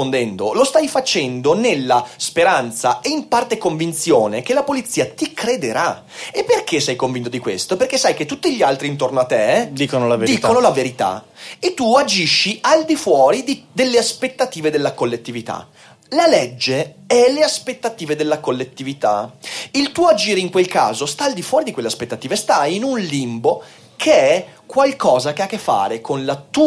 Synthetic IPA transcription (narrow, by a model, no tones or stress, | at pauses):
ond̪ɛnd̪olost̪ajfat͡ʃɛnd̪onelːaspeɾant̪saeimpart̪ekoɱvint̪sjoːnek̟elapolit̪siːat̪ikɾed̪eɾa | epːerk̟esɛjkoɱvint̪od̪ikwest̪operkesːajk̟et̪ːut̪ːiʎialt̪ɾint̪ornoat̪ːed̪iːkonolaveɾd̪iːkkonolaveɾit̪a̰et̪ːuad͡ʒiʃːiʔald̪ifwɔːɾid̪id̪elːeaspet̪ːat̪iːved̪elːakolːet̪ːivit̪a̰ | laled͡ʒːeɛleaspet̪ːat̪iːved̪elːakolːet̪ːivit̪ailt̪uːoad͡ʒiːɾeiŋkwelka̰ːzost̪aːld̪ifwɔːɾid̪ikwelːeaspet̪ːat̪iːvest̪ajinunlimbo | kʰeɛkwalkɔːzakeakːefːa̰ːɾekʰonlat̪u